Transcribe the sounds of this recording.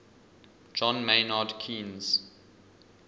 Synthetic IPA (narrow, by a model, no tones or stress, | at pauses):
d͡ʒɔ̃nmenadkʰĩnz̥